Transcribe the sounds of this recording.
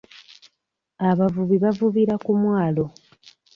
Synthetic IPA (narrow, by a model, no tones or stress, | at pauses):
aβavuβiβavuβiɾakumwaːlo̞